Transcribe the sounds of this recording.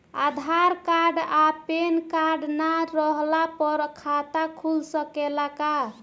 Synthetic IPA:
ad̪ʱaɾkaɖapenkaɾɖnaɾəɦlapəɾkʰat̪akʰulsəkelaka

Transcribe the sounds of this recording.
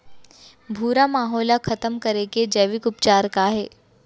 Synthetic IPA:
bʱuːɾamaːɦɔːlakʰɐt̪əmkɐɾeked͡ʒɛːʋɪkʊpt͡ʃaːɾkaɦɛː

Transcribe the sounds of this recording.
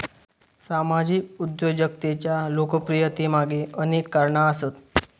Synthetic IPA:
samad͡ʑikud̪jod͡ʑjək̚t̪et͡ɕjalokəpɾijət̪imaɡeənekːaɾɳaəsət̪

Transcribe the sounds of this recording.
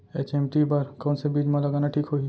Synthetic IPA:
eːt͡ʃẽmʈipɐɾkɔːnsebiːd͡ʒmẽlɐɡaːnaʈʰiːkɦoːi

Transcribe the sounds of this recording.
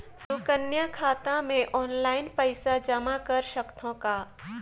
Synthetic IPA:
sʊkənjakʰaːt̪ãmẽʔɔːnlaːɪnpəɪsad͡ʒəmakɐɾʃəkt̪ʰõka

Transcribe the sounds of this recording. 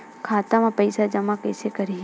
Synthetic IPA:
kʰaːt̪amãpɐɪsad͡ʒɐmãkɐːsekɐɾi

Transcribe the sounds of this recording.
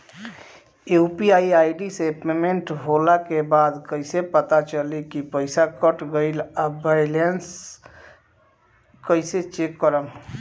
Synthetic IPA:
eupiaiajɖisepemeɳʈɦolakebad̪kəɪsepət̪at͡ʃəlikipəɪsakəʈɡəɪlabajlens | kəɪset͡ʃekːəɾəm

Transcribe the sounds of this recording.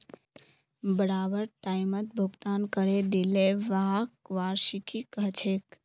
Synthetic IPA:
bəɾabəɾʈajmət̪̚bʱuɡt̪ankəɾed̪ileʋakʋaːɾʃikʰikəɦt͡ʃʰek

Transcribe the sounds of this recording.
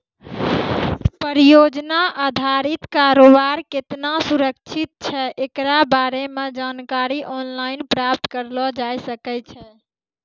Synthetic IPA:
pəɾijod͡ʒnaʔad̪ʱaɾit̪kaɾobaɾket̪nasuɾək̚t͡ʃʰit̪̚t͡ʃʰɛʔekɾabaɾemed͡ʒankaɾiʔɔnlainpɾap̚t̪kəɾlɔd͡ʒajsəkɛt͡ʃʰɛ

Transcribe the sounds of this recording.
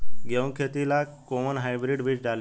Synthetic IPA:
ɡew̃kʰet̪ilakɔmənɦajbɾiɖʋiːt͡ʃd͡zʱal

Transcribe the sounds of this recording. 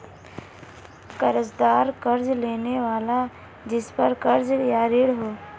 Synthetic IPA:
kəɾəzd̪aːɾkəɾd͡ʒleːneʋaːla | d͡ʒɪspəɾkɐɾd͡ʒjaːɾeːɽɦoː

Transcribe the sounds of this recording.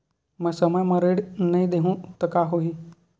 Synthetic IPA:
mɛ̃səməjmɐ̃ɾeːɽnɐɦĩd̪eɦũt̪ɐkaɦoɦi

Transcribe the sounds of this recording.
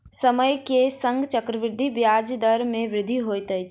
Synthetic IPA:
səməjkesə̃ŋɡt͡ʃəkɾəʋɪɾd̪ʱibjaːd͡ʒd̪əɾmẽʋɾɪd̪ʱiɦoːjt̪ə

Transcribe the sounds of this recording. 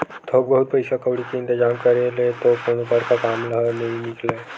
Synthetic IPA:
t̪ʰoːbbɐɦut̪̚pɐɪsakəwɽikeɪ̃nt̪ɪd͡ʒaːmkɐɾelet̪okoːnopəɾkakaːmləɦənɐɦĩnɪkle

